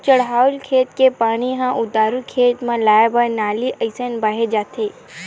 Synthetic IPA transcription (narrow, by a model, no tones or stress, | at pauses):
t͡ʃəɽɦawlkʰet̪kepaɽ̃iɦãʔud̪aɾukʰet̪mãlajabanaliʔəjsənbaɦed͡ʒat̪ʰe